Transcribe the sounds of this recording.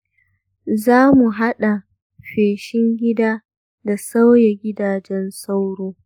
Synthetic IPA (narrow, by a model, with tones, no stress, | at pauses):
zaː˦mu˨ɦa˦ɗa˨ | ɸeː˨ʃɪ˦ŋɡʲɪ˦daː˦ | da˨sa˦wjɛ˨ɡʲɪ˦daː˨d͡ʒɛ˦nsa˦wɽoː˦